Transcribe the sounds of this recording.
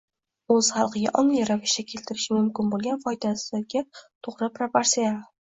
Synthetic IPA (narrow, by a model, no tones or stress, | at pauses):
ɵz̥χɑlˠqʰɨɡʲa̰ʔɒŋlijɾavɪʃd̪akʲʰe̞lt̪ʰɪɾɪʃɪmʊmkʲɪnbolˠɡʲanfɒjd̪asɪɡʲat̪ʰoʁɾɪpʰɾapaɾsijala